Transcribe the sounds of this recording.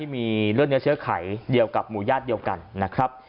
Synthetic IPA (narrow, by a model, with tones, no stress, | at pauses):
iː˥˩miː˧ɾɯ˥˩ŋni˦˥t͡ɕʰɯ˦˥ɐkʰaː˩˦jdi˧əwka˨˩p̚muː˩˦jaː˥˩t̪̚di˧əwka˧nːa˦˥kʰɾa˦˥p̚